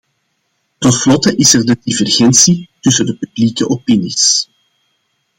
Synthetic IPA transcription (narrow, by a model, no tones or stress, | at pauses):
tɔtflɔtəʔɪsərdədivɛrɣɛnsitʏsədəpyblikəʔɔpinis